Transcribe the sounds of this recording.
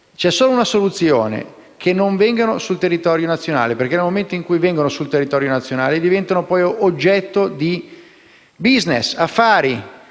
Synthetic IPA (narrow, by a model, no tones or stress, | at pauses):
t͡ʃɛsːoːlounasolut̪sːjoːnḛ | kʰenːoɱvɛŋɡanosult̪erːit̪ɔɾjonat̪sːjona̰ːleperk̟enelmoment̪oiŋkujvɛŋɡonosult̪erːit̪ɔːɾjonat̪sːjonaːled̪ivɛnt̪anopɔːjʔod͡ʒːɛt̪ːod̪i | biznesafːaːɾi